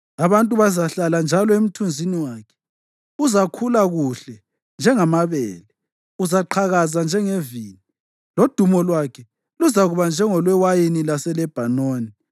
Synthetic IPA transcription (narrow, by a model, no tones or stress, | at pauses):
aβantʼuβazaɬaland͡ʒʱalɔem̩tʰund͡zʱiniwaːkʰɛ̥ | uzakʰulaɣuɬɛ | nd͡ʒʱɛŋamaβɛːlɛ | uzaǃʰaɣazand͡ʒʱɛŋeviːni | lod̥ʱumɔlwakʰɛ | luzaɣuβand͡ʒʱɛŋɔlwɛwajinilasɛlɛb̥ʱanoːni